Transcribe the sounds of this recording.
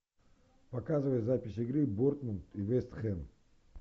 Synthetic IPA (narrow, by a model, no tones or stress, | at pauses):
pɐkazɨvəjt̪zapʲɪsʲiɡɾɨboɾt̪munt̪ivɛst̪χɛn